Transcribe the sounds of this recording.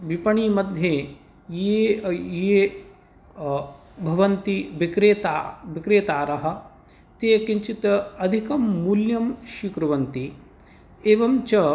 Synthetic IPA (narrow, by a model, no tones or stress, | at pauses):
ʋipɐɳiːmɐd̪ʱje | jeje | bʱɐʋɐnt̪ibikɾeːt̪abikɾeːt̪aːɾɐɦɐ̆ | t̪eːkiɲt͡ʃit̪ɐɐd̪ʱikɐmːuljɐmʃikɾɐʋɐnt̪i | eːʋɐmt͡ʃɐ